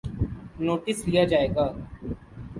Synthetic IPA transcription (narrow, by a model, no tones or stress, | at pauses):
noːʈɪslijad͡ʒaːeːɡaː